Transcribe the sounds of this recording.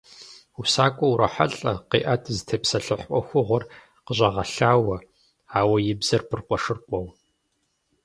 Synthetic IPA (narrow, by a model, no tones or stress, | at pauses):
usaːkʷʼɔwuɾɐħa̰ɬʼɐqḭːʔɐtʰzɨtʰɐpsɐɬɨħʔʷɔ̰xʷʊʁʷɔr | qəʑʼɐʁɐɬaːwɐ | aːwɐjɪbz̥ɐrpʰɨrqʷɔʂɨrqʷʼɔw